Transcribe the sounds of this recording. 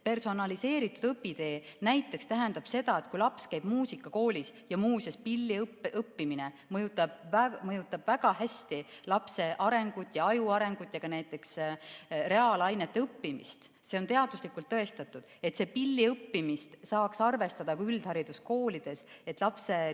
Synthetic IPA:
pe̞rso̞nɑlise̞ːɾit̪ːˑud̪̥ɤpːid̪̥e̞ːnæjt̪ːˑe̞kst̪æɦænd̪̥ɑb̥se̞d̪̥ɑe̞t̪kujlɑpskæjb̥muːsikːˑɑko̞ːlʲisjɑmuːsʲespilːipʔɤpːimine | mɤjut̪ːˑɑb̥væmɤjut̪ːˑɑb̥væɡ̥ɑhæsʲt̪ilɑpse̞ʔɑɾe̞ŋɡ̥ut̪ːˑjɑɑjuɑɾe̞ŋɡ̥ut̪ːˑjɑɡ̥ɑnæjt̪ːˑe̞ks | re̞ɑːlɑjnet̪ːeɤpːimḭst̪ | se̞o̞nt̪e̞ɑd̪̥uslikˑult̪ːɤe̞st̪ɑt̪ːˑud̪̥e̞t̪se̞pilʲːiɤpːimist̪sɑːksɑrve̞st̪ɑd̪̥ɑkuyld̪̥hɑɾid̪̥usko̞ːlid̪̥e̞se̞t̪ˑlɑpse̞

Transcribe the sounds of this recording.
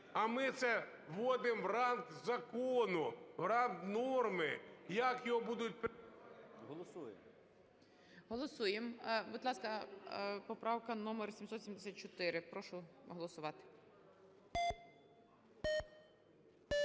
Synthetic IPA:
ɐmɪt̪sɛ | ʋɔd̪ɪmʋrɑnkzɐkɔnʊwɾɑnknɔrmɪjakjɔɦɔbud̪ʊt̚ʲp | ɦɔlˠɔsuje | ɦɔlˠɔsujembʊd̪lˠɑskɐpɔpɾɑwkɐnɔmersʲimsɔt̪sʲimd̪esʲat̪̚t͡ʃɔt̪ɪɾɪpɾɔʃʊɦɔlˠɔsʊʋɑt̪ɪ̥

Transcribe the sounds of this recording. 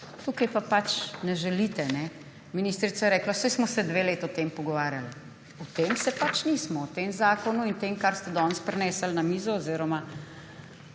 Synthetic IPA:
t̪uːkɐjpapat͡ʃnɛʒɛliːt̪ɛnɛ | minist̪ɾit̪sajɛɾɛːklasɛjsmɔsɛd̪ʋeːleːt̪aɔt̪eːmpɔɡɔʋaːɾjal | ɔt̪eːmsɛpat͡ʃnismɔwt̪emzaːkɔnuint̪eːmkaɾst̪ɛd̪ɔnspɾɛnɛːsəlnamiːzɔːziɾɔma

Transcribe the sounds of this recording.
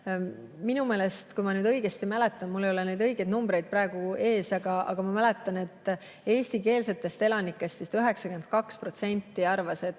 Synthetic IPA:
minume̞ːle̞st̪kujmɑnyːd̪ɤ̞jɡ̥e̞st̪imælet̪ːˑɑnmulːejo̞lene̞jd̪ɤ̞jɡ̥e̞d̪numbɾe̞jd̪̚pɾɑe̞ɡ̥ue̞ːsɑɡ̥ɑɑ̰ɡ̥ɑmɑmæle̞t̪ːˑɑne̞t̪ːˑ | e̞ːst̪ike̞ːlse̞t̪ːˑe̞st̪e̞lɑnikːˑe̞st̪sist̪yɦe̞ksɑkymen̚kɑkspro̞t̪se̞nʲt̪ːiɑrvɑse̞t̪ː

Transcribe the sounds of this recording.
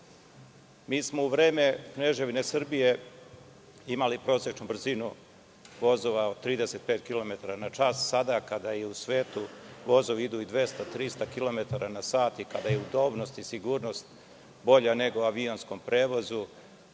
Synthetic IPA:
miːsmo̞uʋɾeːme̞kneʒeʋine̞sr̩bije̞ | imalipɾo̞ːset͡ʃnubr̩zinu | ʋo̞zoʋaod̪̚t̪ːɾiːd̪ese̞t̪̚peːt̪kilo̞me̞t̪aɾanat͡ʃassad̪akad̪ajeusʋe̞ːt̪uʋo̞zoʋid̪uid̪ʋe̞st̪at̪ɾist̪akilo̞me̞t̪aɾanasaːt̪ikad̪ajeud̪o̞bno̞st̪isiɡuːɾno̞st̪ | bo̞ʎane̞ɡoaʋio̞nsko̞mpɾʔe̞ːʋo̞zu

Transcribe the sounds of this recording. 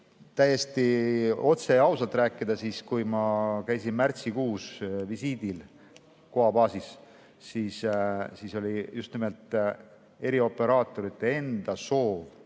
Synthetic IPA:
t̪æjːe̞st̪io̞t̪se̞jɑwsɑlt̪ˑɾæːkːˑid̪ɑsiːskujmɑkæjsinmært̪sikuːsvisiːd̪il | ko̞ɑbɑːsis | siːssiso̞lʲijust̪nimelt̪ˑ | e̞ɾio̞pːe̞ɾɑːt̪ːˑo̞ɾit̪ːˑe̞e̞nd̪̥ɑso̞ːv

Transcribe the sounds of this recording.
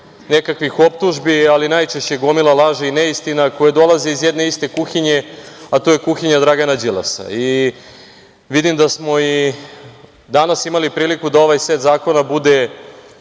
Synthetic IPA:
ne̞kakʋixo̞p̚t̪uʒbialinajt͡ʃeʃt͡ɕe̞ɡo̞milˠalˠaːʒeineist̪inako̞jed̪o̞lˠaziizjed̪ne̞ist̪e̞kuxiɲe̞at̪oje̞kuxiɲad̪ɾaɡanad͡ʑilˠa̰sa̰i | ʋid̪imd̪asmo̞i | d̪anasimalipɾiːlikud̪ao̞ʋajset̪zaːko̞nabud̪e̞

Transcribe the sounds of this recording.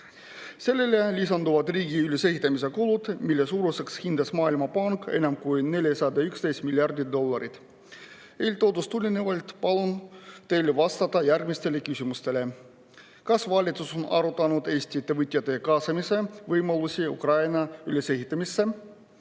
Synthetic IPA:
selːelʲːelʲisɑnt̪uʋɑt̪riːɡiyløsehit̪ːæmisekulut̪milːesuːɾusekshind̪ɑsmɑːilmɑpɑŋkḛnʲæmkujnnelʲjæsɑd̪ɑykst̪ejsʲt̪milʲjɑrd̪id̪olːɑɾit̪ | eilʲt̪ot̪ust̪ulʲineʋɑlʲt̪pɑlont̪elʋɑst̪ɑt̪ɑjærɡmist̪elːekysʲymyst̪ele | kɑsʋɑlʲit̪ːusonɑ̰rot̪ɑnut̪esʲt̪ʲiːt̪ːeʋɯt̪ʲjɑt̪ekɑsɑmiseʋɯjmɑlːusʲiṵkrɑjnɑyløsehit̪ːæmisːæ

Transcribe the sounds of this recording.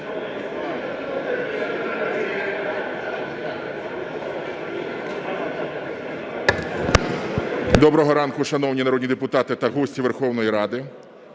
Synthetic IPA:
d̪ɔbɾɔɦɔɾɑnkʊʃɐnɔwnʲinɐɾɔd̪ʲnʲid̪epʊt̪ɑt̪ɪt̪ɐɦɔsʲtʲiʋerxɔwnɔjiɾɑd̪ɪ

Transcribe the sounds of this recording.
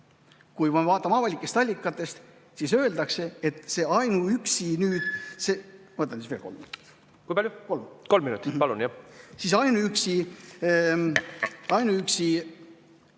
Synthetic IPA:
kujmɑvɑːt̪ːˑɑmɑvɑlʲikːˑe̞st̪ɑlʲːikːˑɑt̪ːˑe̞st̪ | sisø̞eld̪ɑkse̞et̪ːˑse̞ɑjnuyksinyːd̪̥semot̪ːˑɑnsisveːlko̞lmːḭnṵti̥ | kujpɑljuko̞lmkolmːinut̪ːˑipɑlṵnjɑsisɑjnuyksi | ɑjnuyksi

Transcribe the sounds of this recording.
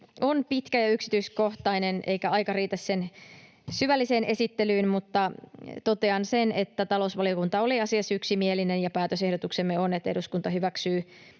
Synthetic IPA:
onpit̪kæjɑyksi̥t̪yiskoht̪ɑineneijkæɑjkɑriːt̪æssen | syʋælːise̞ːnʔe̞sit̪ːelyːnmut̪ːɑt̪o̞t̪eɑnsenet̪ːæt̪ɑlo̞usʋɑliokunt̪ɑoliɑsiɑsyksimielinenjɑpæːt̪øsehdot̪uksemːeonet̪ːeɾuskunt̪ɑɦyʋæksyː

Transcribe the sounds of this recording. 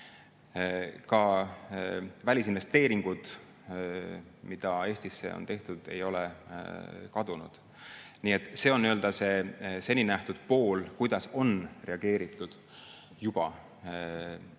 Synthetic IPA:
kɑ | vælʲisinve̞st̪e̞ːɾiŋɡ̥ud̪̥ | mid̪̥ɑe̞ːst̪isːe̞̰o̞̰nt̪e̞ht̪ud̪̥e̞̰jo̞le | kɑd̪̥unṵd̪̥ | niːet̪ːˑse̞ːoniøld̪̥ɑse̞se̞nʲinæht̪ud̪̥̚po̞ːlkujd̪̥ɑso̞nre̞ɑɡ̥e̞ːɾit̪ːˑud̪̥ | jub̥ɑ̰

